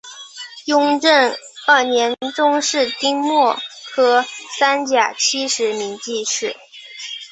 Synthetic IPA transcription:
jʊ˥ŋʈ͡ʂə˥˩ŋ | ə˥˩njɛ˧˥nʈ͡ʂʊ˥ŋʂɻ̩˥˩t̪i˥ŋmwɔ˥˩kʰɤ˥sa˥nt͡ɕja˨˩t͡ɕʰi˥ʂɻ̩˧˥mi˧˥ŋt͡ɕi˥˧ʂɻ̩˥˩

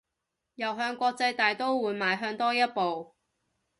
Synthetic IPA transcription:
jɐ˨wɦœː˧ŋkʷɔː˧k̚t͡sɐ˧jt̪aː˨jt̪o˥wwuː˨˧jmaː˨jɦœː˧ŋt̪ɔː˥jɐ˥t̚po˨w

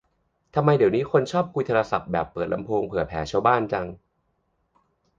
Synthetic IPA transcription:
t̪ʰa˧mːa˧jdi˩˦wniː˦˥kʰo˧nt͡ɕʰɔː˥˩p̚kʰu˧jt̪ʰaː˧ɾa˧sa̰˨˩p̚bɛː˨˩pːɤː˨˩t̪̚la̰˧mpʰoː˧ŋpʰɯ˨˩ɐpʰɛː˩˦t͡ɕʰa˦˧wbaː˥˩nt͡ɕa˧ŋ

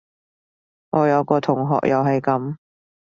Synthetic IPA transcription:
ŋɔː˨˧jɐ˨˧wkɔː˧t̪ʰʊ˨˩ŋɦɔ̰ː˨k̚jɐ̰˨wɦɐ˨jkɐ˨˧˥m

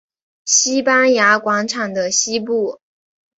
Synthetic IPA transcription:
ɕi˥pa˥nja˧˥kwɑ˧˥ŋʈ͡ʂʰɑ˨˩ŋd̪ə˦ɕi˥p̬u˥˩

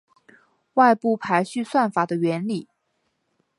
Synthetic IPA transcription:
wa˥˧ɪpu˥˩pʰa˧˥ɪɕy˥˧swa˥˩nfa˨˩d̪ə˦ɥɛ˧˥nli˨˩˦

